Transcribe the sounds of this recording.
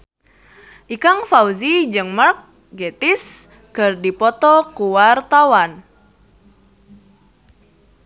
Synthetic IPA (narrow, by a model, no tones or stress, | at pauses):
ʔikaŋfauzid͡ʒɨŋmark̚ | ɡet̪is | kərdipɔt̪ɔkuwart̪awan